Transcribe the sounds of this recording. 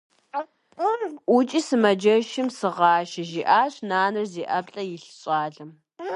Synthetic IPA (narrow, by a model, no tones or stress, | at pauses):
ʔʷʊt͡ʃʼisɨmɐd͡ʒɐʃɪmsɨʁɑːʃɐʒiːʔaːɕʼnaːnɨrziːʔɐpɬʼɐjɪɬɕʼɑːɮɐm